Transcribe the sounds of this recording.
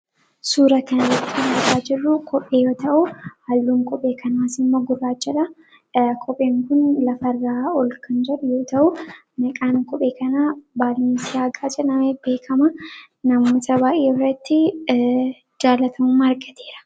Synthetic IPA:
suːɾɐkɐnɐrɐt̪ːɪ̥kɐnɡʊɾaːd͡ʒɪrːʊkʰɔpʼːe̞ːjo̞ːt̪ɐʔʊhɐlːuːmkʼɔpʼːeːkʰɐnaːsɪmːoːɡʊrːaːt͡ʃːɛᶑɐ | kʼʰɔpʼːeːŋkʊnlɐfɐrːaːɔlkɐnd͡ʒɛᶑʊjo̞ːt̪ɐʔʊ | nɐkʼaːŋkʼɔpʼe̞ːkɐnaːbaːlmɪsɪjaːkʼaːt͡ʃʼɛnɐmɐbe̞ːkʰɐmɐ | nɐmoːt̪ʰɐbaːʔeːɔrɐt̪ːɪ | d͡ʒaːlɐt̪ʰɐmumaɾɡɐt̪ʰeːɾɐ̥

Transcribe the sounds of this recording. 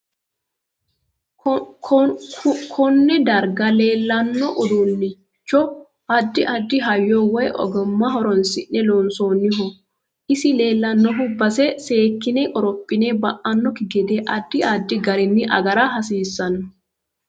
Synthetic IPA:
kʰɔnːɛd̪ɐɾɡɐle̞ːlːɐnːɔʔɔd̪unːɪ | t͡ʃːɔ | ɐd̪ːɪʔɐd̪ːɪɦɐjːɔwɔjʔɔ̰ɡɔmːɐɦɔɾɔnsɪnːɛloːnsoːnːɪɦɔ | ʔɪsɪle̞ːlːɐnːɔɦʊbːɐsɛse̞ːkːɪnekʼɔɾɔpʼːɪneːbɐʔɐnːɔkɪɡɛd̪eːʔɐd̪ːɪɐd̪ːɪɡɐɾɪnːɪʔɐ̰ɡɐɾaɦɐsiːsːɐnɐ

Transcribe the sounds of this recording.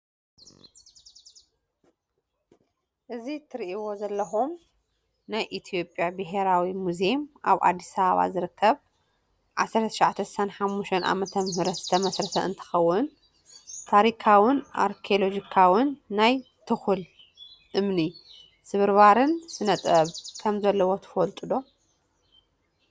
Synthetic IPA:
ʔɨzit̪ʰɨɾiʔiwo̞zɐlːɐxum | najʔit̪ʰijo̞pʼjabɨɦe̞ɾawimuzemʔa̰βʔa̰d̪ːisɐβaβa̰zɨɾɨkʰːɐβ | ʕa̰sɐɾt̪ʰʃʕat̪ʰɐsɨ̥sanħamːuʃt̪ʰɐnʔa̰mɐt̪ʰɐmɨɦɾɐt̪z̥ɨt̪ʰɐmɐsɾɐt̪ʰɐʔɨ̰nt̪ʰɨ̥xɐwːʊn | t̪ʰaɾikʰawɨnʔa̰ɾkʰolo̞d͡ʒikʰawɨnːaj | t̪ʰɨxul | ʔɨmni | sɨβɨɾβaɾɨnsɨnɐt̪ʼɐβkʰɐmzɐlːɐwot̪ʰɨ̥fɐlt̪ʼɨd̪o̞

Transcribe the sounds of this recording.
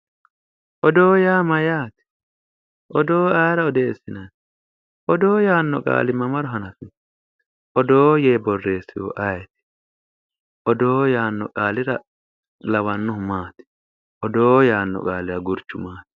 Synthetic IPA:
ʔɔd̪o̞ːjaːmɐjaːt̪ɪ̥ | ʔɔd̪o̞ːɐjɾɐɔd̪e̞ːsːɪnɐn | ʔɔd̪oːjaːnːɔ̰kʼa̰ːlɪmɐmɐɾɔɦɐnɐfɪ | ʔɔd̪o̞ːjeːbɔrːe̞ːsːɪwɔ̰ʔɐjɛt̪ɪ̥ | ʔɔd̪oːjaːnːɔ̰kʼaːlɪɾɐ | lɐwɐnːʊhʊmaːt̪ɪ̥ | ʔɔd̪oːjaːnːɔ̰kʼaːlɪɾɐɡʊɾt͡ʃːʊmaːt̪

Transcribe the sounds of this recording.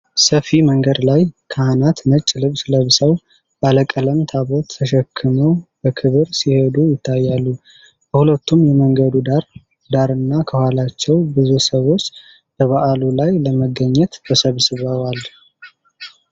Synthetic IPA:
səfiməŋɡəd̪lajkʰəhanat̪nət͡ʃʼːlɨβsləβsəw | b̥aləkʼələmt̪ʰaβot̪ʰːəʃəkʰːɨməwb̥əkʰɨβɨɾsihed̪ujɪt̪ʰːajːalːu | b̥əhulət̪ːumjɛməŋɡəd̪ud̪aɾ | d̪aɾɨnːakʰəhʷwalat͡ʃːɛwbɨzusəwo̞t͡ʃː | b̥əβaʔalulajləməɡːəɲːɛt̪bəsəβsɨβəwal

